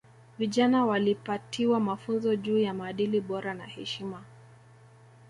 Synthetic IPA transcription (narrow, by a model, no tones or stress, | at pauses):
viʄanawalipatʰiwamafunzɔʄuːjamaːɗiliɓɔɾana̰hɛʃima